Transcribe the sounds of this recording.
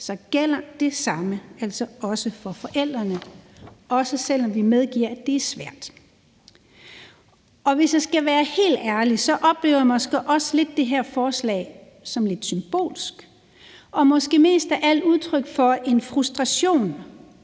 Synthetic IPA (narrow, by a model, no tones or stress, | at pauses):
sɒ̽ɡ̥el̰ɐd̥e̝sɑ̈məæl̰sɒɒ̽səfɒ̽fɒ̽ʔel̰d̥ʁɐnəʔɒ̽səsel̰ɒ̽mʋimeð̞ˠɡ̥iɐ̰æd̥e̝æɐsʋæɐ̰d̥ | ʔɒ̽ʋe̝sjɑsɡ̥æʋæːɐhe̝̰ːld̥æɐlisɒ̽ʔɒ̽b̥le̝̰ːʊɐjmɒ̽sɡ̥ḛʔɒ̽sle̝d̥ːe̝ɦæɐfɒːslɛ̰ːɪ | sɒ̽mle̝d̥symb̥o̝̰ːlsɡ̥ | ʔɒ̽mɒ̽sɡ̥e̝̰ːme̝̰ːsd̥æʔæl̰uð̞ˠt͡sʰʁœɡ̥fɒ̽e̝nfʁusd̥ʁɑɕo̝̰ːn